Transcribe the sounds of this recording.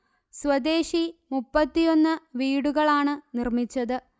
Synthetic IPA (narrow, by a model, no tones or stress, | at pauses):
swɐd̪e̞ːʂimupːɐt̪ːijo̞nːɨʋiːɽuɣɐɭaːɳɨnirmit͡ɕːɐðɨ